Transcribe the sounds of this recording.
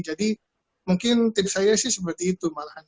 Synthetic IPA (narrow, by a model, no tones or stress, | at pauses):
d͡ʒadi | muŋkɪnt̪ɪp̚sajasɪhsəp̬ərt̪iːt̪umalahan